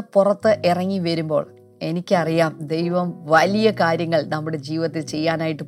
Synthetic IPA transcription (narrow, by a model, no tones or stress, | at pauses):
purɐt̪ːɨʔirɐŋːiʋɐɾumbo̞̰ːɭ | e̞nikʲːɐrijaːmd̪e̞jʋɐmʋɐlijɐkaːɾjɐŋːɐɭnɐmːuɽe̞d͡ʑiːʋɐt̪ːilt͡ɕe̞jːaːnaːjiʈːɨ